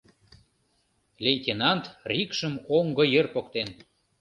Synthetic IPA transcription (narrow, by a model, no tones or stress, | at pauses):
lʲejt̪ʲenɑnt̪rʲikʃəmoŋɡɤ̆jərpokt̪en